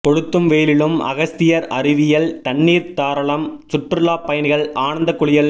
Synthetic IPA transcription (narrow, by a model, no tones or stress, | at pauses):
pɔɻɯt̪ːɯmʋeːlɪɭɯmɐ̰ɣɐst̪ɪjɐɾɐɾɪʋɪjɐlt̪ɐɳːiːɾt̪aːɾɐɭɐmsʊʈːɯlaːpːɐjɐnɪɣɐɭaːɳɐnd̪ɐkːʊɭɪjɐl